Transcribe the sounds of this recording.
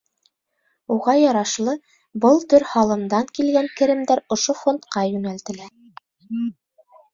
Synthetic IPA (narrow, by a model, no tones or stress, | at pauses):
uʁɑjɑɾɑʃlˠɤ | bɤlˠt̪ɵɾhɑlˠɤ̆md̪ɑŋkilɡæŋkɘ̆ɾɘ̆md̪æɾŏʃofont̪qɑjʉnælt̪ɘ̆læ